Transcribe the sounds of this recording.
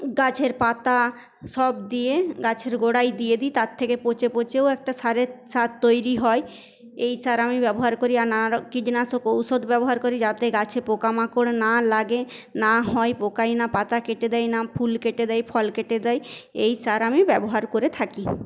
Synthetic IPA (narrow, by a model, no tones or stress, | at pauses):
ɡat͡ɕʰeɾpat̪a | ʃɔbd̪ijeɡat͡ɕʰeɾɡoɽajd̪ijed̪it̪at̪ʰːekepot͡ɕepot͡ɕeowɛk̚ʈasaɾesat̪ːojɾiɦɔe | ejsaɾamibɛboɦaɾkoɾiaɾnaaɾɔkiɖinasokowsod̪bɛboɦaɾkoɾid͡ʑat̪eɡat͡ɕʰepokamakoɽenalaɡenaɦɔepokajnapat̪akeʈed̪ɛjnapʰulkeʈed̪ɛjpʰɔlkeʈed̪ɛjejsaɾamibɛboɦaɾkoɾet̪ʰaki